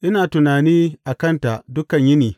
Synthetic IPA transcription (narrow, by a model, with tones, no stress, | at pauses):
ʔɪ˦naː˨tʊ˨naː˨niː˦ʔa˨kɐ˦nta˨ʔdʊ˦kɐ˨ɲjɪ˦niː˨